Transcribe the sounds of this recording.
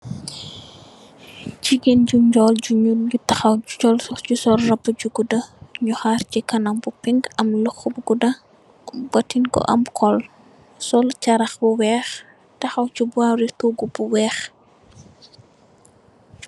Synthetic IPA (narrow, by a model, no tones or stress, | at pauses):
ciɡend͡ʒuɲd͡ʒɔlɟuɲulutɐxɐwt͡ʃɔlɔɟusɔlrɐbːɐɟuɡudɐɲuxart͡ʃikɐnɐŋbupiŋɡɐmlɔxbuɡudɐ | bɐtinkɔ̰ʔɐ̰mkʰɔl | sɔlt͡ʃɐɾɐxbuwɛːx | tɐxɐwt͡ʃubuaɾituːɡubuwɛːx